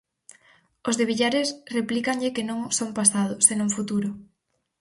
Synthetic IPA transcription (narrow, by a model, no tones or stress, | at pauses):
ozðeβiʎaɾesreplikaŋʎɪkenõŋsompasað̞ʊsenõŋfut̪uɾʊ